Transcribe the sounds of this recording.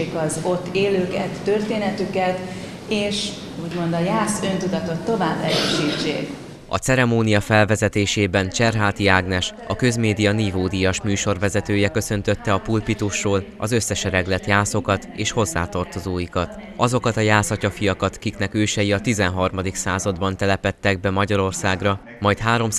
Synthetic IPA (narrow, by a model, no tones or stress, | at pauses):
eːkɒzo̞t̪ːeːløːkɛt̪ːørt̪eːnɛt̪ykɛt̪ | eːʃ | uːɟmo̞nd̪ɒjaːsønt̪ud̪ɒt̪o̞t̪ːo̞vaːbːɛɾøːʃiːt͡ʃːḛːk | ɒ̰t̪sɛɾɛmoːnijɒfɛlvɛzɛt̪eːʃeːbɛnt͡ʃɛrɦaːt̪iaːɡnɛʃ | ɒkø̞zmeːd̪ijɒnivoːd̪ijɒʃmyːʃo̞rvɛzɛt̪øːjɛkø̞sø̞nt̪ø̞t̪ːɛɒpulpit̪oʃːoːl | ɒzø̞sːɛʃɛɾɛɡlɛt̪jaːso̞kɒt̪eːʃho̞zːa̰ːt̪ɒrt̪o̞zoːjikɒt̪ | ɒzo̞kɒt̪ɒjaːsɒcɒfijɒkɒt̪kiknɛkøːʃɛjiɒt̪izɛnɦɒrmɒd̪iksaːzɒd̪bɒnt̪ɛlɛpɛt̪ːɛɡ̚bɛmɒɟɒɾo̞rsaːɡrɒ | mɒjt̪ɦaːɾo̞m